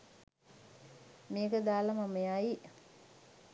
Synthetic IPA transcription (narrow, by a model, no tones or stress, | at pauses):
meːkəd̪aːlɐmamejaji